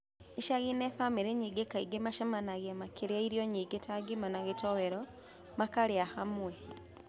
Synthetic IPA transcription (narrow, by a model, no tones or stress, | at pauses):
iʃaɣinefamiɾeɲiːɡekaiɡemaʃamanaɣemakeɾaiɾjɔɲiːɡetaɡimanaɣetɔweɾɔ | makaɾeahamwɛ